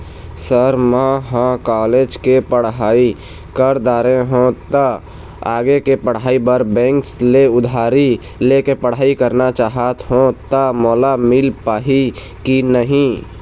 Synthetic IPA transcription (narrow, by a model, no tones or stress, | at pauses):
səɾmə̃ɦãkaːleːd͡ʒkepəɽɦaːi | kəɾd̪aːɾẽɦõt̪a | aːɡekepəɽ̤ɦaːibəɾbɛ̃ːŋksleʊd̪ʱaːɾi | lekepəɽ̤aːikəɾnat͡ʃaːɦət̪ɦõt̪amɔːlamɪlpaːɦi | kinəɦĩ